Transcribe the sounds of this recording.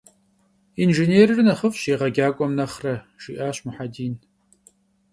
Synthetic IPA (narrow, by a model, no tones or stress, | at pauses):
inʒeneːrɨrɨnɐχəfɕeːʁɐɡʲaːkʷʼɔmnɐχrɐ | ʒ̥iʔaːɕmʊħadiːn